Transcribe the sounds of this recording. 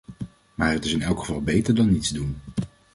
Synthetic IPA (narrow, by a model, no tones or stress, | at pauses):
maːɹətɪsɪnɛlˠkχəvɑlˠbejtəɹdɑnːitzdun